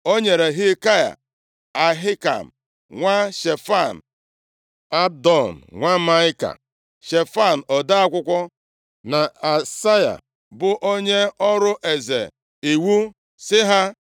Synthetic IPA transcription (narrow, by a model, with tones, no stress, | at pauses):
o˦ɲe˨ɾe˨ɦɪ˦ka˦ja̰˨ | a˨ɦɪ˦ka̰˨m̩˨ | ŋʷa˦ʃe˨fa˦˨n̩˨ | a˦b̚dɔ˨n̩˨ŋʷa˦ma˦ɪ˦ka̰˨ | ʃe˨fa˦˨n̩˨ɔ˨da˦a˦kʷʊ˦kʷɔ˦ | na˨a˨sa˦ja̰˨ | bʊ˨ʔo˦ɲe˦ɔ˦ɾʊ˦ʔe˨zḛ˨ | i˨wu˦ | sɪ˦ɦa˦